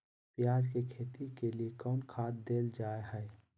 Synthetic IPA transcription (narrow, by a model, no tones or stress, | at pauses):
pjaːd͡ʒkekʰeːt̪ikeliekɔːnkʰaːt̪̚d̪eːld͡ʒaːeɦɛː